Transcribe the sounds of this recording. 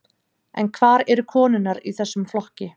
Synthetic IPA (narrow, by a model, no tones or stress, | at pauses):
ɛ̰nkʰvaːɾɛɾʏkʰɔːnʏnaɾiθɛsːʏmflɔhcɪ